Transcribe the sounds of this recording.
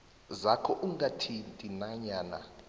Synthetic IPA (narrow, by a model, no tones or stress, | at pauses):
zakʰɔʔuŋɡatʰintʼinaɲaːna̰